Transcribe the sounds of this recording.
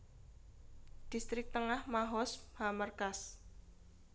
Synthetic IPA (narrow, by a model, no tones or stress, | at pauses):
d̪̥ist̪ɾɪk̚t̪əŋahmaɦɔshamərkas